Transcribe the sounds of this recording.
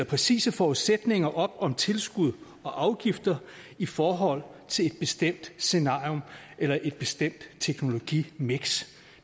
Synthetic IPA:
ɐpʰʁɛsḭːsəfɒːuðˠsed̥ne̝ŋɐʔɒ̽b̥ɒ̽mt͡sʰe̝lsɡ̥uð̞̰ˠ | ɒ̽ʔɑ̈ʊɡ̥ifd̥ɐ | ifɒːɦɒ̽l̰t͡sʰe̝le̝d̥̚b̥e̝sd̥em̰d̥se̝nɑ̈ːio̽mʔelɐʔe̝d̥̚b̥e̝sd̥em̰d̥t͡sʰeɡ̥no̝lo̝ɡ̥ḭːmeɡ̥s

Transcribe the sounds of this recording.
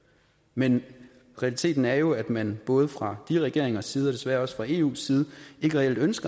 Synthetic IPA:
men | ʁɛælit͡sʰe̝̰ːd̥n̩æɐjo̝æd̥mænb̥ɔ̽ːð̞ˠəfʁɑ̈d̥iʁɛɡ̥e̝̰ɐ̰eŋɐsiːð̞̩ˠɒ̽d̥e̝sʋæɐɒ̽sfʁɑ̈e̝̰ːṵːsːiːð̞̩ˠəe̝ɡ̥əʁɛel̰d̥ønsɡ̥ɐ

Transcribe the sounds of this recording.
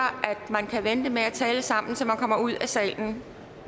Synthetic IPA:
ɐʔæd̥mænkʰæʋend̥əmeæt͡sʰɛːləsɑ̈m̰n̩sɒmænkʰɒ̽m̰ɐuð̞̰ˠæsɛ̰ːln̩

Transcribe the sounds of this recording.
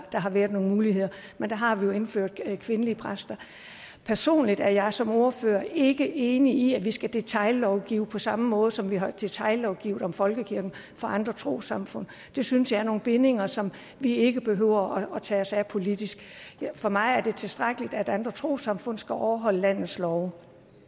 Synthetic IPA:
d̥ɑ̈ɦɑ̈ʋæːɐðˠno̝ːŋnmuːlihe̝ð̞̰ˠɐmend̥ɑ̈ɦɑ̈ʋijo̝e̝nfø̰ɐ̰d̥ˠkʰʋe̝nəliəpʰʁasd̥ɐ | pʰæɐso̝̰ːnlid̥æɐjɑ̈ɪsɒ̽mo̝ɐføːɐe̝ɡ̥əʔe̝ːniiæʋisɡ̥æd̥e̝t͡sʰɑ̈ɪlɒʊɡ̥iːʊpʰɒ̽sɑ̈məmɔ̽ːð̞̩ˠəsɒ̽mʋiɦɑ̈d̥e̝t͡sʰɑ̈ɪlɒʊɡ̥ḭʊð̩ˠɒ̽mfɒ̽lɡ̥əkʰiɐɡ̥n̩ | fɒ̽ʔɑ̈nd̥ʁɐt͡sʰʁo̝̰ːsɑ̈mfɔ̽n̰ | d̥e̝synsjɑ̈ɪæɐno̝ːn̩b̥e̝ne̝ŋɐsɒ̽m | ʋie̝ɡ̥əb̥e̝ɦøʊ̰ɐɒ̽ɒ̽t͡sʰɛ̰ːɒsæpʰo̝lid̥isɡ̥fɒ̽mɑ̈ɪæɐd̥e̝t͡sʰe̝lsd̥ʁaɡ̥əlid̥æd̥ɑnd̥ʁɐt͡sʰʁo̝̰ːsɑ̈mfɔ̽n̰sɡ̥æʔɒʊɐɦɒ̽l̰əlæn̰ð̩ˠslɒʊ

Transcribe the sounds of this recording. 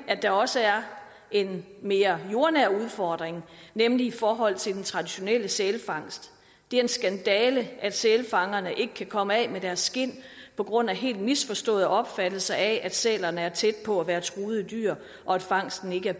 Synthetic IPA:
ædd̥ɑ̈ɒ̽səæɐ | e̝nme̝ːɐjo̝ɐnæɐ̰uðˠfɒːd̥ʁeŋnemliifɒːɦɒ̽l̰t͡sʰed̥ent͡sʰʁɑ̈d̥iɕo̝nel̰əselfɑ̈ŋ̰sd̥ | d̥e̝ɐe̝nsɡ̥ænd̥ɛːləʔæd̥seːlfɑ̈ŋɐnəʔe̝ɡ̥əkʰækʰɒ̽məɛmed̥æɐsːɡ̥e̝n̰pʰɒ̽ɡ̥ʁɔ̽n̰æɦe̝̰ːld̥misfɒ̽sd̥ɔ̰̽ːðˠʔɒ̽b̥fæd̥l̩sɐʔɛʔæd̥sɛ̰ːlɐnəæɐt͡sʰed̥̚pʰɒ̽æʋæːɐt͡sʰʁuːð̞̩ˠid̥y̰ɐ̰ | ʔɒ̽æd̥fɑ̈ŋ̰sd̥n̩e̝ɡ̥əæɐ

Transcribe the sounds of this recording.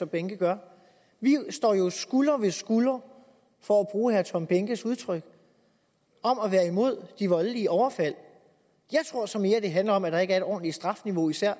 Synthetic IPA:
ɒ̽mb̥eŋɡ̥əɡ̥ɶɐ | ʋisd̥ɒ̰ːjo̝sɡ̥ulɐʋe̝sɡ̥ulɐ | fɒ̽æb̥ʁuːhæɐt͡sʰɒ̽mb̥eŋɡ̥əsuð̞ˠt͡sʰʁœɡ̥ | ɒ̽mæʋæːɐimo̝ð̞̰ˠd̥iʋɒ̽ləliəʔɒʊɐfæl̰ | jɑ̈ɪt͡sʰʁo̝ɐ̰sɒ̽me̝ːɐæd̥e̝ɦænlɐɒ̽mæd̥ɑ̈e̝ɡ̥æɐe̝ɾ̥ɒ̰ːn̩li̥sd̥ʁɑ̈fniʋo̝isæɐ̰

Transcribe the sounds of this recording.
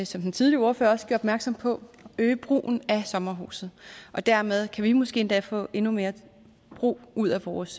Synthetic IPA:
sɒ̽md̥ent͡sʰið̞ˠlio̝ɐfø̰ːɐɒ̽sɡ̥ø̰ɐɒ̽b̥mæɐɡ̥sɒ̽m̰pʰɒ̽øːb̥ʁṵːn̩æsɒ̽mɐɦṵːsð̩ˠʔɒ̽d̥æɐmeð̞ˠkʰæʋimɔ̽sɡ̥e̝̰ːend̥ɛ̰fɔ̰̽ːe̝nume̝ːɐ | b̥ʁṵːuð̞̰ˠæʋɒːs

